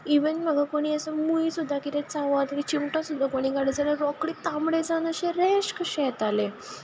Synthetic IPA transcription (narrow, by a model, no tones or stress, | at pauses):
iʋənm̤əɡakoɽ̃iəsəmuisud̪ʱːakit̪ẽt͡saʋat̪ɾit͡ɕimʈɔsud̪ʱːakoɽ̃iːɡaɽəd͡zaləɾɔkɽit̪amɽed͡zanəɕeɾeɕkəɕɛt̪ale